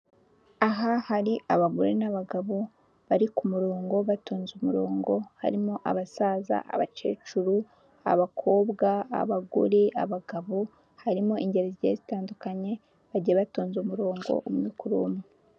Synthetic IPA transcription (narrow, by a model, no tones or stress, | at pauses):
aɦahaɾiʔaβaɡuɾinaβaɡaβo | βaɾikumuɾoːŋɡo̞βatoːnzumuɾoːŋɡo̞ha̰ɾimo̞ʔa̰βasaːza̰ʔa̰βat͡ʃe̞̰ːt͡ʃuɾu | a̰βakʰo̞ːbɡa̰ːβaɡṵɾiʔaβaɡaβo | haɾimo̞ʔiɲɟe̞ɾezjezitaːndukaɲe̞ | βaɟieβatoːnzumuɾoːŋɡo̞̰ʔumɲikuɾumu